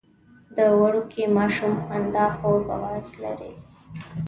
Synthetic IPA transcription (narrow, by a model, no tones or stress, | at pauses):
d̪əwaɽukemɑʃumxand̪ɑxoɡa̰wɑzla̰ɾḛ